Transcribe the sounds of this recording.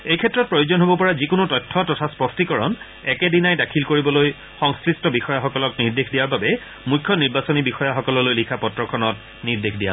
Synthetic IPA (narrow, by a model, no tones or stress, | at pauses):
ejkʰɛtːɹɔt̚pɹojozɔnɦobɔpɔɹazikʊnʊtɔjtʰːɔtɔtʰaspɔstikɔɹɔ̰n | ɛkɛdinajdakʰilkoɹibɔloj | xɔŋskɹistɔbixɔjaxɔkɔlɔkniɹdexdijaɹbabɛ | mujkʰːjɔniɹbasɔnibixɔjaxɔkɔlɔlojlikʰapɔtɹɔkʰɔnɔt̚ | niɹdexdija̰